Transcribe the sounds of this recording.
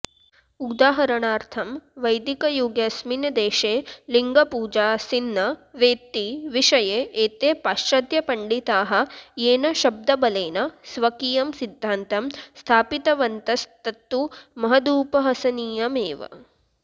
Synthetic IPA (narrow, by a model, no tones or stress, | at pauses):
ud̪aːɦɐɾɐɳaːɾt̪ʰɐmʋɐjd̪ikɐjuːɡjɐsminɐd̪eːʃeːliŋɡɐpuːd͡ʒaːsinːɐʋeːt̪ːiʋiʂɐjeːeːt̪eːpaːʃɐd̪ʱjɐpɐɳɖit̪aːɦɐ̆jeːnɐʃɐb̚d̪ɐbɐleːnɐsʋɐkiːjɐmsid̪ʱːaːnt̪ɐmst̪ʰaːpit̪ɐʋɐnt̪ɐst̪ɐt̪ːumɐɦɐd̪uːpɐɦɐsɐniːjɐmeːʋɐ̰